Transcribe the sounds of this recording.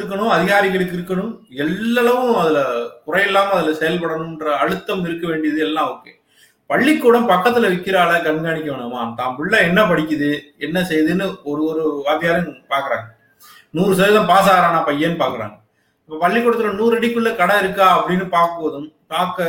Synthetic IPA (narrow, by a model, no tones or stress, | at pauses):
ɾɯkːɐɳɯ̃mɐðɪɣaːɾɪɣɐɭɯkːɪɾɯkːɐɳɯmɛlːɐlɐʋɯ̃ɐðɪlɐkʊrɐjɛlːaːmɐðɪlɐsɛjɐlpɐɽɐɳɯ̃mɪndrɐɐɻɯt̪ːɐmɪɾɯkːɐʋeːɳɖɪjɐðɯɛlːãːoːkːe | pɐɭːɪkːuːɽɐmpɐkːɐt̪ːɪlɐʋɪkːɪɾaːlɐɡɐnɡaːɳɪkʲːɐʋeːɳɐmaːt̪aːmpɪɭːɐɛnːɐpɐɽɪkʲːɯðɯɛnːɐsɛjɐðɯnːɯɔɾɯɔɾɯʋaːðɪjaːɾɐpaːɾkɯɾa̰ːŋɡɐ | nuːɾɯsɐjɐðɐ̃mpaːs̬aːɣɾaːnaːpɐjːeːnːɯpaːɾkɯɾa̰ːŋɡɐ | ɐpːɐːpɐɭːɪkːuːɽɐt̪ːɪlɐnuːɾɐɽɪkːɯɭːɐkɐɽɐɪɾɯkːaːɐpːɐɽɪnːɯpaːɾkɯʋɐðɯmpaːɾkɐ